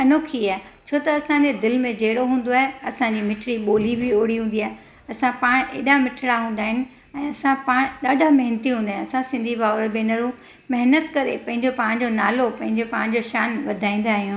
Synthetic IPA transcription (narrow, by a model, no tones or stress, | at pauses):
ɐnoːkʰiaːet͡ɕʰoːt̪ɐɐsãd͡ʑed̪ɪlmẽd͡ʑeɦɪɽoɦũːn̆d̪oaːɦeɐsãd͡ʑiːmɪʈʰɪɽiɓoːlibʱɪoːɽiɦũːnd̪iaːɦe | ɐsãpaːɽ̃ʔḛːɗãmɪʈʰɪɽaɦũːn̆d̪aːɦɪnɪ̆ | ɛ̃ːɐsãpaːɽ̃ɗaːɖʱamɐɦɪnət̪iɦũːnd̪aːɦɪ̃ñɐsãsɪ̃nd̪ʱibaːɾbenɐɾũ | mɐɦnət̪kɐɾḛpɐ̃ɦɪ̃ɲd͡ʑopaːɽ̃ɲd͡ʑonaːlopɐ̃ɦɪ̃ɲd͡ʑopaːɽ̃d͡ʑoʃaːnʋɐd̪ʱaːĩːn̆d̪aːɦijũː